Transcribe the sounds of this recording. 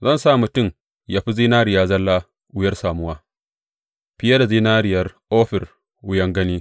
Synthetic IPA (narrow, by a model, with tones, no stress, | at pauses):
zɐ˦nsaː˦˨mʊ˨tʊ˦˨m | ja˨ɸi˦ziː˦naː˦ɾɪ˨jaː˦zɐ˦lːaː˦ | ʔʊ˦jɐ˦rsaː˨mʊ˦waː˦ | ɸɪ˦jɐ˦da˨ziː˦naː˦ɾɪ˨jɐ˦rʔoː˦ɸɪ˨r | wʊ˦jɐ˦ŋɡɐ˦niː˦